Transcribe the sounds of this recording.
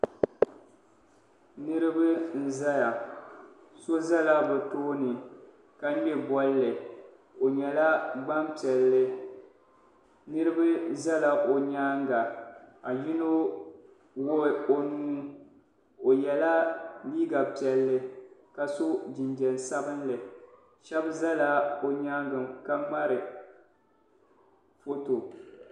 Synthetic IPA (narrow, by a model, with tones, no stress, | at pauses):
nɨ˦ɾɨ˦bɨ˦n̩˦za˦ja˨ | so˦za˦la˦bɛ˨toː˦nɨ˨ | ka˦ɲɛ˦bɔ˦lːɨ˨ | o˨ɲɛ˨la˦ɡ͡ba˦mpi˨ɛ˨lːɨ˦ | nɨ˦ɾɨ˦bɨ˦za˦la˨ʔo˨ɲaː˦ŋɡa˨a˨ji˦no˦ | wʊ˦˨o˦nuː˦ | o˨jɛ˨la˦liː˦ɡa˨pi˨ɛ˨lːɨ˦ka˨so˦d͡ʒɪ˨nd͡ʒɛ˨n˨sa˦bɨ˦nlɨ˨ | ʃɛ˦bza˦la˦o˨ɲaː˦ŋɡɨ˨mka˦ŋ͡ma˦ɾɨ˨ | fo˦to˨